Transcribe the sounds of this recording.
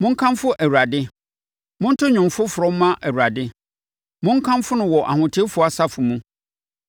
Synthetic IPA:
mʊ̃˦ŋ̩˦kʰã˦mfʊ˦ʔæ˨wu˨ɾa˨dɪ˦ | mʊ̃˦n̩˦tʰʊ˦ɲᶣʊ̃˨mfʊ˦fʊ˨ɾɔ̃˦m̩˦mã˦ʔæ˨wu˨ɾa˨dɪ˦ | mʊ̃˦ŋ̩˦kʰã˦mfʊ˦nʊ̃˨wɔ˨ʔa̰˨hʊ̃˨tʰɪ˦fʊ˨˦a˨sa˦fʊ˨mũ˦

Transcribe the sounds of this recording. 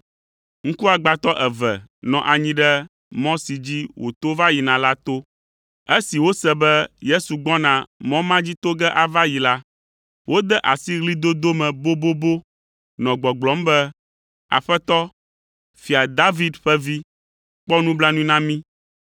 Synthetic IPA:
ŋ̩˦ku˦a˨ɡ͡ba˨t̪ɔ˦ʔɛ˨vɛ̰˨nɔ̰̃˨ʔa˨ɲĩ˦ɖɛ˦ | mɔ̃˦si˨d͡ʑi˦wʔo̰˨t̪o˦va˦ji˨nã˨la˦t̪o˦ | e˦si˨wo˦sɛ˦bɛ˦je˦su˨ɡ͡bɔ̃˦nã˨mɔ̃˦mã˦d͡ʑi˦t̪o˦ɡɛ˦ʔa˨va˦ji˨la˦ | wʔo˦d̪ɛ˦ʔa˨si˦ɣli˦d̪o˦d̪o˦mɛ̃˨bo˦bo˦bo˦ | nɔ̃˨ɡ͡bɔ˨ɡ͡blɔ˨˦mbɛ˦ | a̰˨ɸɛ˦t̪ɔ˦ | fi˨a˨d̪a˦vi˦d̪ɸɛ˦vi˦ | k͡pɔ˦nũ˦bla˦nũ˦ĩ˦nã˦mĩ˦

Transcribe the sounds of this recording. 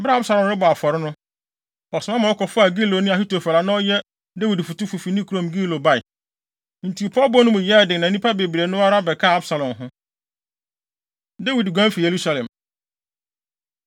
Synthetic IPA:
ba˦a˦bsa˨lɔ̃˨mɾɪ˦bɔ˨a˨fɔ˨ɾɪ˦nʊ̃˦ | ɔ˨sʊ˨mã˦mã˨wɔ˦kʰɔ˨fʊ˦a˨ɡi˦lo˨˦nʊ̃˦a˨hi˦to˨fa˨la˨nã˦ɔ˦jɛ˦ | de˦wi˨dfu˨tʊ˦fu˨fi˨nĩ˦kʰu˨ɾõ˨mɡi˦lo˨ba˦ɪ˨ | n̩˨tʰi˨pʰɔ˦bɔ˦nʊ̃˦mʊ̃˨jɛ˦˨dɪ̃˨nã˨˦nĩ˦pʰa˦be˨bɾe˨nʊ̃˦a˦ɾa˦bɛ˨kʰa˦˨a˦bsa˨lɔ̃˨nɦʊ̃˦ | de˦wi˨dɡã˦fi˨je˨ɾu˦sa˨lɛ̃˨m

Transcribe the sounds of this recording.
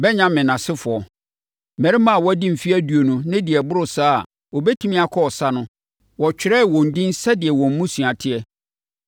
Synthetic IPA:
bɛ˦ɲã˦mɪ̃˨nã˨sɪ˦fʊ˨ɔ˨ | mɛ̃˨ɾi˦mã˦˨wɔ˦æ˦dĩ˦m̩˨fi˦æ˦du˨o˨nũ˨nɪ̃˦dɪ˨ɛ˨bʊ˦ɾʊ˨saː˦a̰˨ | wɔ˨bɛ˦tʰi˦mĩ˦a˨kʰɔ˦ɔ˨sa˦nʊ̃˦ | wɔ˨t͡ɕᶣɪ˨ɾɛ˦˨wɔ̃˨n̩˨dĩ˦n˦sɛ˦dɪ˨ɛ˨wɔ̃˨m̩˦mũ˦su˨a˨tʰɪ˦ɛ˦

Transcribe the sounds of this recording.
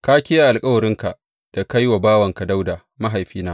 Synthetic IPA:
ka˦kʲɪ˦ja˦ʔa˨lkʼɐ˦wɐ˨ɾɪ˦ŋka˨ʔ | d̥a˨ka˦jwa˨baː˦wɐ˨ŋka˨da˦wdaː˨ | ma˦ɦa˨jɸiː˦naː˦

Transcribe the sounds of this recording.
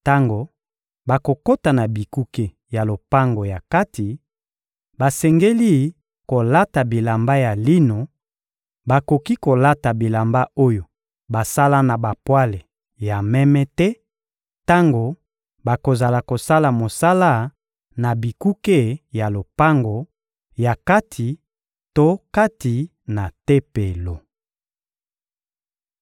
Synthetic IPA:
ta˦ŋɡo˨ | ba˨ko˨ko˦ta˨na˨bi˨ku˦ke˦ | ja˨lo˨pa˦ŋɡo˨ja˨ka˦ti˨ | ba˨sɛ˨ŋɡe˦li˦ | ko˨la˦ta˨bi˨la˨mba˦ja˨li˦no˨ | ba˨ko˨ki˦ko˨la˦ta˨bi˨la˨mba˦o˦jo˨ | ba˨sa˦la˦na˨ba˨pwa˦le˨ | ja˨mɛ˦mɛ˦tɛ˦ | ta˦ŋɡo˨ | ba˨ko˨za˨la˨ko˨sa˦la˨mo˨sa˦la˦˨ | na˨bi˨ku˦ke˦ja˨lo˨pa˦ŋɡo˨ | ja˨ka˦tʰi˨ | to˦ka˦ti˨ | na˨te˦pe˨lo˨

